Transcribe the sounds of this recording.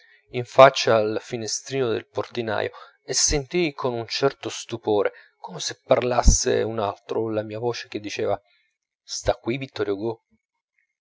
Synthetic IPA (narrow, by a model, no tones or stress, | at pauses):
iɱfat͡ʃːaːlfinest̪ɾiːnod̪ḛlport̪ina̰ːjo̰ | esːent̪ijkʰonunt͡ʃɛrt̪ost̪upoːɾʔekɔmesepːarlasːḛunalt̪ɾolamiːavoːt͡ʃe̥k̟ed̪ːit͡ʃeːva | st̪akːwivit̪ːɔɾjoɡo